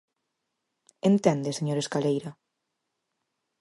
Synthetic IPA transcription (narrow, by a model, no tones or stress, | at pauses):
ent̪ɛ̃nd̪eseɲoɾeskalejɾa